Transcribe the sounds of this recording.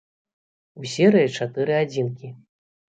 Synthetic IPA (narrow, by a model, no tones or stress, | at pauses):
usʲɛɾɨjit͡ʂat̪ɨɾɨad͡zʲinkʲi